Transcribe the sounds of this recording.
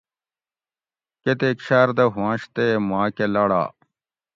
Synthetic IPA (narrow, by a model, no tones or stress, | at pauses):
ket̪ekɕaːɾd̪ɐɦwãːɕt̪emãːkelɐɽa̰ː